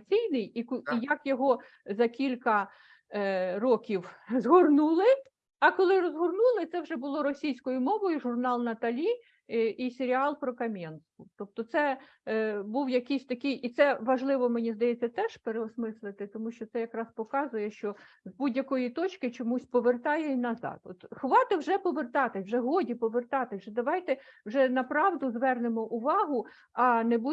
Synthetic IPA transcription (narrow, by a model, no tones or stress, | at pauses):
t͡sʲijnɪjikijɐkjɔɦɔ | zɐkʲilʲkɐ | ɾɔkʲiwzɦɔrnulˠɪ | ɐkɔlˠɪɾɔzɦɔrnulˠɪt̪sɛwʒɛbʊlˠɔɾɔsʲijsʲkɔjʊmɔʋɔjʊʒʊrnɑlˠnɐt̪ɐlʲi | isʲeɾʲiɑlˠpɾɔkɐmʲɛnst̪ʊt̪ɔp̚t̪ɔt̪sɛ | buwjɐkɪjsʲt̪ɐkɪjit̪sɛʋɐʒlˠɪʋɔmenʲizd̪ɐjɛt͡sʲːɐt̪ɛʃpeɾeɔsmɪslˠɪt̪ɪt̪ɔmuʃt͡ʃɔt̪ɛjɐkɾɑspɔkɑzʊjɛʃt͡ʃɔ | zbudʲjɐkɔjit̪ɔt͡ʃkɪt͡ʃɔmusʲpɔʋert̪ɑjɛinɐzɑ̰d̪ɔt̪xʋɑt̪ɪwʒɛpɔʋert̪ɑt̪ɪwʒɛɦɔdʲipɔʋert̪ɑt̪ɪʒɛd̪ɐʋɑjt̪ɛwʒɛnɐpɾɑʋd̪ʊzʋɛrnemɔʔʊʋɑɦʊ | ɐnebu